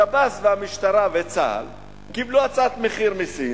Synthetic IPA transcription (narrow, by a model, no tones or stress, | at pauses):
abasveamiʃt̪aʁavet͡sa̰l | kibluat͡sat̪meχiʁmisi